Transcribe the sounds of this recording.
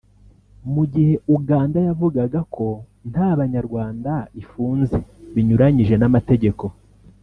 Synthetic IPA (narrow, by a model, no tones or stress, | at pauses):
muɟihe̞uɡaːndajavuɡaɡakʰo̞ | n̥haːβaɲaɾɡwaːndaifuːnze̞βiɲuɾaɲiʒe̞namate̞ɟe̞ko̞